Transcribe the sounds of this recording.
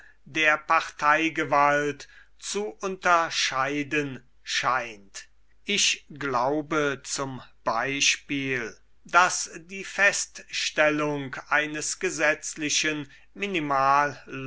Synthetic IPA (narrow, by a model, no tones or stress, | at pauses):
deːɐpaʁtʰaɪɡəvalt | t͡suʔʊntɐʃaɪdən | ʃaɪnt | ʔɪʃɡlaʊbət͡sʊmb̥aɪʃpiːl | dasdiːfɛstʃtɛlʊŋkʔaɪnəsɡ̥əzɛt͡slɪʃən | mɪnimaːlː